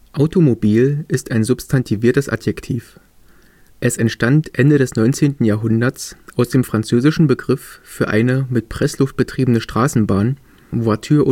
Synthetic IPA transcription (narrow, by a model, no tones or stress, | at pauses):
ʔaʊtomobiːlʔɪstaɪnzʊpstʰantʰiviːɐtəsʔa̰tjɛktʰiːf | ʔɛsɛntʃtantʔɛndəɾɛsnɔʏnt͡seːntn̩jaːɐɦʊndɐt͡sʔaʊsd̥eːmfʁ̥ant͡søːzɪʃn̩bəɡʁɪffyːɐʔa̰ɪnəmɪt̚pʁ̥ɛslʊft̚b̥ətʁ̥iːbənəʃtʁ̥aːsn̩baːn | voɐtʰyːɐʔ